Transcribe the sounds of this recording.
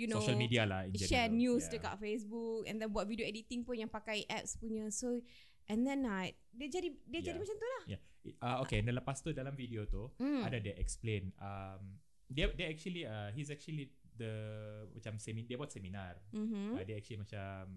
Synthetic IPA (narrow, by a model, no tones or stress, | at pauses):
junooʃəlmidialaĩnɛʃɛnjusdəka̰ʔfes̬buk̚ɛ̰̃nd̪ɛnbuat̪̚vidioɛdit̪iŋpʊnjãŋpakajʔɛp̚spuɲəso | ʔɛ̃nd̪ɛnːat̚diəd͡ʒadidiəjadimat͡ʃamt̪ulahja | ʔaokeɛndələpast̪udalamvidiot̪uadadəʔɛ̰ksplẽnam | dɛdɛɛk̚t͡ʃuəliəɦisɛk̚t͡ʃuəli | d̪əmat͡ʃamsɛmidiəbaat̪sɛminarm̩mm̩adeɛk̚t͡ʃuəlimat͡ʃam